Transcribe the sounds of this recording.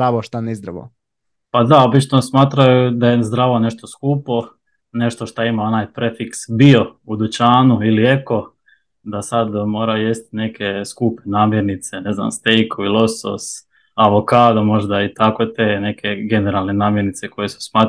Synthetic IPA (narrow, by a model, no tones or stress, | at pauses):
aʋoʃt̪anɛzd̪ɾaʋo̰ | pad̪ao̞bit͡ʃnosmaːt̪ɾajud̪ajezd̪ɾaʋone̞ʃt̪oskuːpo̞ | ne̞ʃt̪o̞ʃt̪aimao̞naːjpɾefiksbio̞ud̪ut͡ʃaːnuilie̞ko̞ | d̪asad̪mo̞ːɾajujest̪i̥ne̞kʰe̞skuːpenaːmjeɾnit̪se̞ne̞zna̰mst̪ejkoʋilˠo̞so̰s | aʋokaːd̪omo̞ʒd̪ait̪akot̪eːne̞kʰe̞ɡe̞neɾalˠne̞naːmje̞ɾnit̪se̞ko̞jesu̥smaːt̪